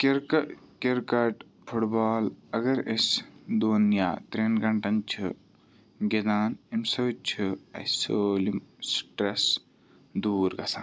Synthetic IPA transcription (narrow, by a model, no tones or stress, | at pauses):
keɾkɐkeɾkɐʈ | pʰuʈbaːlɐɡɐɾesd̪oːnja̰ːt̪ɾenɡɐɳʈɐnt͡ʃʰi | ɡed̪aːnimsɐt͡ʃʰuɐ̰soːlimsʈɾes | d̪uːɾɡɐsaːn